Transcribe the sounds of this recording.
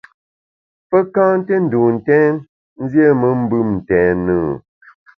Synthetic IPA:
pə˦kãː˦n˦te˦n̩˨du˨n̩˨tɛ̃˦n | n̩˦zje˦mə˦m̩˦bɨ˦mn̩˨tɛ̃ː˨˦nəː˦˨

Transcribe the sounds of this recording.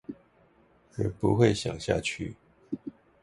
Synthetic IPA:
ə˨˩pṵ˧˦xwe˥˨ɪɕjɑ̰˨˩ŋɕja̰˥˧t͡ɕʰy̰˥˨

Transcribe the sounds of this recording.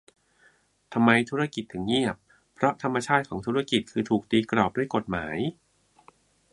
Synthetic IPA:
t̪ʰa˧mːa˧jt̪ʰu˦˥ɾa˥˩ki˨˩t̪̚ʰːɯ˨˩ŋːi˥˩əp̚ʰ | ɾɔ˦˥t̪ʰa˧mːa˧t͡ɕʰaː˥˩t̪̚kʰɔː˩˦ŋt̪ʰuː˦˥ɾa˥˩ki˨˩t̪̚kʰɯː˧t̪ʰuː˨˩k̚t̪iː˧kɾɔː˨˩p̚duː˥˩əjko˨˩t̪̚maː˩˦j

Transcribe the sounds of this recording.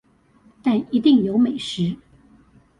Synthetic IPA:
t̪a˥˩ni˧˥t̪i˥˩ŋjo˧˥ʊme˨˩ɪʂɻ̩˧˥

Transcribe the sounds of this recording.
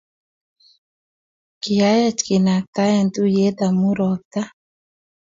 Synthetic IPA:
kɪ˨ja˦jɛ˦t͡ʃkɪ˨na˨k̚t̪a˦jɛ˦˨nd̪u˦je˦d̪a˨mu˦ɾɔ˨k̚t̪a˦

